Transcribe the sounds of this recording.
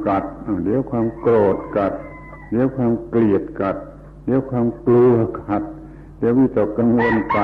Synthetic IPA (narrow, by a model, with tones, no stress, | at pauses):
ka˨˩t̪̚a˧˩di˧˦˨wkʰwaː˧mkloː˨˩t̪̚ka˨˩t̪̚ | di˧˦wkʰwaː˧mkli˨˩ət̪̚ka˨˩t̪̚ | di˧˦wkʰwaː˧mklu˧ə˧kʰa˨˩t̪̚ | di˧˦˧wi˧˩t̪ɔː˨˩kːa˧ŋwo˧nka˨˩